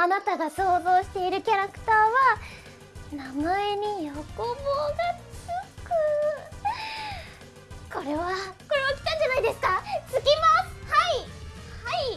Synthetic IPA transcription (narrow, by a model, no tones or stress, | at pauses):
anat̪aɡaso̞ːzo̞ːɕi̥t̪e̞iɾɯ̟kʲaɾakɯ̟̥t̪aːβa | namaeɲ̟ijokoboːɡat͡sɯkɯ̟ | ko̞ɾe̞βako̞ɾe̞βakʲi̥t̪ãɲd͡ʑanaid̪e̞sɨ̥kat͡sɨɡʲimashaihai